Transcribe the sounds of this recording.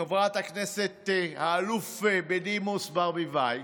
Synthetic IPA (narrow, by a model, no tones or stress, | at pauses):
evʁat̪hakneset̪haːlufebedimusbaʁmivaj